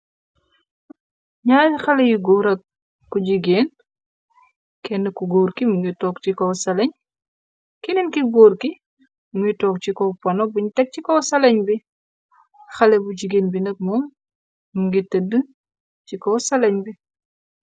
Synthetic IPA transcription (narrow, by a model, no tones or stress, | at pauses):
ɲaːjxɐlɛjiɡoːɾɐk̚ː | uɟiɡen | kɛnːəkuɡoːɾkimuŋɡitɔːk̚t͡ʃikɔsɐlɐɲ | kininkiɡoːɾki | muŋɡitɔk̚t͡ʃikɔpɔnɔk̚biɲtɛk̚t͡ʃikɔwsɐlɐɲbi | xɐlɛbuɟiɡeːnbinɐk̚mɔm | muŋɡitədə | t͡ʃikɔsɐlɐɲbi